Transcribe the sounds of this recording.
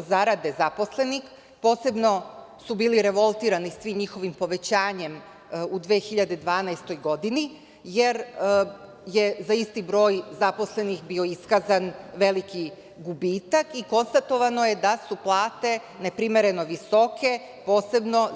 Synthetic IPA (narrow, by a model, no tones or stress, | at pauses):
zaɾad̪e̞zapo̞sle̞nix | po̞ːse̞bno̞ | subiːliɾe̞ʋo̞lˠt̪iːɾanisʋimɲixo̞ʋimpo̞ʋe̞t͡ɕaːɲe̞m | ud̪ʋeːxiʎad̪ed̪ʋaːnajst̪o̞jɡo̞d̪ini | je̞ɾ | jezaist̪ibɾo̞ːjzapo̞sle̞nixbio̞iskazanʋe̞liki | ɡubiːt̪akiko̞nst̪at̪o̞ʋano̞je̞d̪asuplˠaːt̪e̞ | ne̞pɾime̞ɾe̞no̞ʋiso̞kʰe̞ | po̞ːse̞bno̞